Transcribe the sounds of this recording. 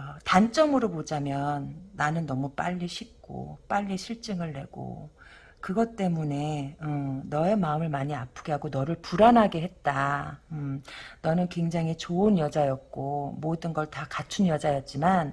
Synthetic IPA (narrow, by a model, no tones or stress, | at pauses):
ʌtant͡ɕ͈ʌmɯɾopod͡ʑamjʌnːanɯnːʌmup͈a̰ʎːiɕʰik̚k͈o̰p͈aʎːiɕʰiɭt͡ɕ͈ɯŋɯɭːe̞ɡ̥o̰ | kɯɡʌt͈e̞mune̞ɯnʌe̞maɯmɯɭmaɲiapʰɯɡeɦaɡonʌɾɯɭpuɾanɦaɡe̞ɦe̞t̚t͈aɯnʌnɯnkwe̞ŋd͡ʑaŋɦit͡ɕoɯnjʌd͡ʑajʌk̚k͈omodɯnɡʌɭtakat͡ɕʰunjʌd͡ʑajʌt̚t͡ɕ͈iman